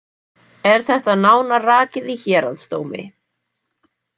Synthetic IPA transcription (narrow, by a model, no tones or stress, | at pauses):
ɛɾ̥θɛht̪aðnaːwnaraːcɪðiçɛːɾaðst̪oːwmɪ̰